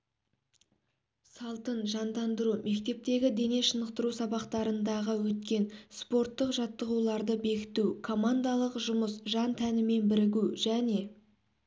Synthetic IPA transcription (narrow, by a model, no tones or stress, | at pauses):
sɑlˠt̪ənʒɑnd̪ɑnd̪əɾume̞kt̪e̞p̚t̪e̞ɡʲɪd̪e̞ne̞ʃənəqt̪əɾusɑbɑqt̪ɑɾənd̪ɑʁəwɵt̪̚kʲe̞nspo̞ɾt̪ːəqʒɑt̪ːəʁulˠɑɾd̪əbe̞kʲɪ̥t̪ukʰo̞mand̪ɑlˠəqʒʊməsʒɑnt̪ʰænɪme̞nbɪɾɪɡʲuʒæne̞